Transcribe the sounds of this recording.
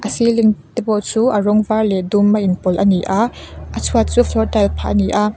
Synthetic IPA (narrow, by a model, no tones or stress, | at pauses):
ʔɐsilɪŋt̪epɔʔt͡suːʔɐrɔŋvarlɛd̪umːaʔɪnpɔlʔɐniʔaʔʔɐt͡sʰuat͡suːfʰlɔtalpʰa̰ʔniʔa